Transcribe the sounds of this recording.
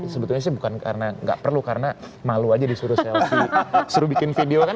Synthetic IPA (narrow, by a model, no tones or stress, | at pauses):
səbət̪ʊlɲas̬ɪhbukanka̰ɾənaŋɡa̰ʔpərlukaɾənamaluad͡ʒadisuɾʊsɛlsisuɾubikɪnfideoka